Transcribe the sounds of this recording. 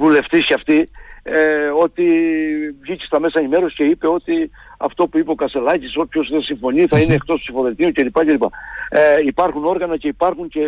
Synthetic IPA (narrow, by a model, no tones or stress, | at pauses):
vule̞ft̪isceɐft̪ieo̞t̪i | vʝicest̪ɐme̞sɐenime̞ɾo̞sce̞ipe̞o̞t̪i | ɐ̰ft̪o̞puipeokɐst̪e̞lɐciso̞pço̞sðesiɱfo̞niθɐineːkt̪o̞spsifo̞ðet̪iuce̞lipɐcelipɐ̰ | ipɐɾxuno̞ɾɣɐnɐce̞ipɐɾxuɲce̞